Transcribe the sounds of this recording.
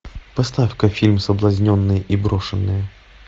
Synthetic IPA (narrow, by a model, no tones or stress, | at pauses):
pɐst̪afkəfʲilʲmsəblˠɐzʲnʲonːɨjəʔibɾo̞ʂɨnːɨjə